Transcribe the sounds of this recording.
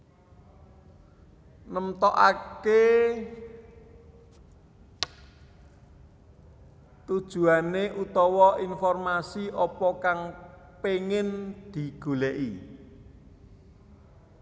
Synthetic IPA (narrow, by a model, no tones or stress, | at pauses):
nəmt̪ɔʔake | t̪ud̥ʒ̥ṳaneʔut̪ɔwɔʔinfɔrmasiʔɔpɔkaŋpeŋɪnd̪̥i̤ɡ̥ṳleʔi